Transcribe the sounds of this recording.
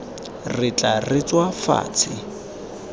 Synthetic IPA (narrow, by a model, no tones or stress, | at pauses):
rɪt͡ɬʼarɪt͡swafa̰ːt͡sʰɪ